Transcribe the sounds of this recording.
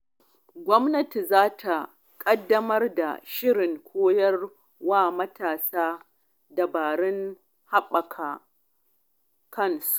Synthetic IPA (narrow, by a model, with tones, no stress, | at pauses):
ɡʷɔ˦mnɐ˦ti˨zaː˦tʰa˨ | kʼɐ˦dːɐ˦mɐ˦rda̰˨ʃɪ˦ɽɪ˨ŋkʷʰoː˦jɐ˦r | waː˦˨mɐ˦tʰaː˨saː˦ | dɐ˨baː˨ɽɪ˦ŋ | ha˦ɓɐ˨kʰaː˨ | kɐ˦˨nsu̥ʔʔ